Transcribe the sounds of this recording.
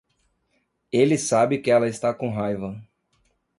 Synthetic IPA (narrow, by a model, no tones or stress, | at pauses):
elɪsabɪkɪɛlɐɪst̪akõɦajvɐ